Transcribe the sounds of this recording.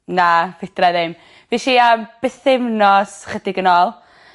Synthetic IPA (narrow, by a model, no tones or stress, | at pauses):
navɪdrajðɪm | viʃiːamb̥əθɪvnɔsχədɪɡənɔːlˠ